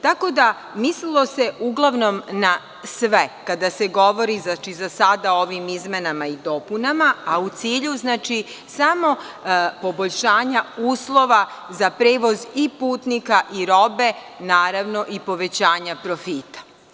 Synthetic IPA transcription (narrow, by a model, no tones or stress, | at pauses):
t̪ako̞d̪a | mislilˠo̞se̞ʔuɡlˠaʋno̞mna | sʋekad̪aseɡo̞ʋo̞ɾizat͡ʃizasad̪aoʋimizmenamaid̪o̞punamaːut̪siːʎuznaːt͡ʃi | samo̞ | po̞boʎʃaːɲauːslˠo̞ʋazapɾeːʋo̞zipuːt̪nikaʔiɾo̞be̞ | naːɾaʋno̞ʔipo̞ʋe̞t͡ɕaːɲapɾo̞fiːt̪ḁ